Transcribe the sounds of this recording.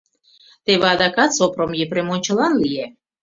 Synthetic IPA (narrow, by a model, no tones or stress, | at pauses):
t̪eβeɑd̪ɑkɑt̪sopɾomjepɾemonʲt͡ɕə̆lɑnlie